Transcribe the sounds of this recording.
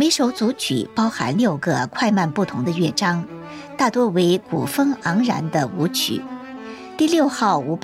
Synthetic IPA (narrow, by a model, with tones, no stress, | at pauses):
me˧˥ɪʂo˧˥ʊt͡su˧˥t͡ɕʰy̰˨˩pɑ˥ʊxa̰˧˥nljo˥˩ʊɡə˩kʰwa˥˧ɪma˥˧npu˥˩t̪ʰʊ˧˥ŋd̪ə˧ɥɛ˥˩ʈ͡ʂɑ˥ŋ | t̪a˥˩t̪wɔ˥we˧˥ɪkṵ˨˩fɤ˥ŋɑ˧˥ŋɻa̰˧˥nd̪ə˧u˧˥t͡ɕʰy̰˨˩˦ | t̪i˥˧ljo˥˧ʊxɑ˥˩ʊu˧˥p